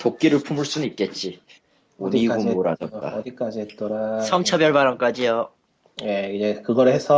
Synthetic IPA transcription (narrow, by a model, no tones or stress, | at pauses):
tok̚k͈iɾɯɭpʰumuɭs͈unnit̚k͈e̞t̚t͡ɕ͈i | oɲiɡomɡoɾad͡ʑʌt͈a̰ik͈ad͡ʑiett͈ʌɾasʰʌŋt͡ɕʰʌbjʌɭbaɾʌŋk͈ad͡ʑijo | jeid͡ʑekɯɡʌɾhesʰʌ